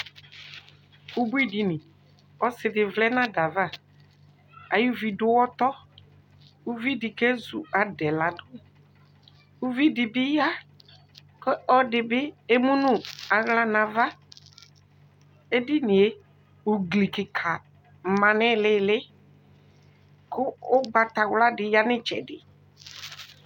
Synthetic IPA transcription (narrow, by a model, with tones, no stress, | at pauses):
u˦bu˦i˦di˨nɪ̃˨ | ɔ˦sɪ˨dɪ˨vlɛ˦nã˦da˨va˦˨ | a̰˨ju˦vi˨dʊ˦wɔ˦t̪ɔ˦ | u˦vi˦dɪ˨ke˦zu˨a˨dɛ˨la˨dʊ˦ | u˦vi˦dɪ˨bɪ˦ja˦ | ke˦ʔɔ˦dɪ˨bɪ˦e˦mũ˦nũ˦a˨ɣla˨nã˨va˦ | e˦dɪ˦nɪ̃˨e˦ | u˨ɡli˨kɪ˨kʰa˨ | mã˨nɛ̃˦lɪ˦lɪ˦ | kʊ˦ʊ˦ɡ͡ba˨t̪a˨wla˦dɪ˨ja˦nɪ̃˦t͡ʃɛ̰˨dɪ˨